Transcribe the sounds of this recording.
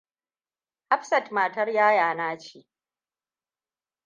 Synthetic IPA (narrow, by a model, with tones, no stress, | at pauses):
ʔa˦ɸsɐ˨tmaː˨tɐ˦rjaː˦jaː˨naː˦t͡ʃiː˨